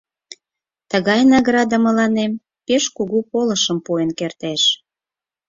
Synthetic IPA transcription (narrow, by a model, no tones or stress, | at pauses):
t̪əɣɑjnɑɣrɑd̪əmə̆lɑnem | peʃkuɣupoləʃəmpuenkert̪eʃ